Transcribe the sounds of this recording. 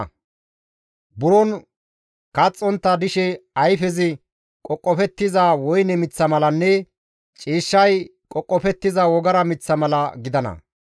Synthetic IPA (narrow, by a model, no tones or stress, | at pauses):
bʊɾɔn | kɐt͡sʼːɔnt̪ːɐd̪ɪʃɛɐjfɛzɪ | kʼɔkʼːɔfɛt̪ːɪzawɔjnɛmɪt͡sːɐmɐlɐnːɛ | t͡ʃʼiːʃːɐjkʼɔkʼːɔfɛt̪ːɪzɐwɔɡɐɾɐmɪt͡sːɐmɐlɐɡɪd̪ɐnɐ̰